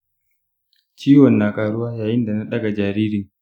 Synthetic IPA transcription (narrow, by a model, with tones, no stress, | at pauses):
t͡ʃiː˦wɔ˨nːaː˨kʼaː˨ɽʊ˦waː˦jaː˨jɪ˦nda˨na˦ɗɐ˦ɡa˨d͡ʒaː˨ɾiː˦ɾɪ˨ŋ